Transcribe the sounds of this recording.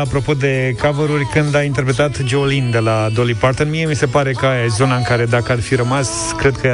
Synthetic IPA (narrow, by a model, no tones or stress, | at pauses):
apɾo̞po̞d̪e̞kavəɾurʲkɨnd̪aint̪e̞rpɾe̞t̪at̪d͡ʒeolind̪e̞lad̪o̞lipart̪ɨnmie̞mise̞paɾe̞kəajazo̞naɨŋkaɾe̞d̪akəarfiɾəmas | kɾe̞d̪̚kə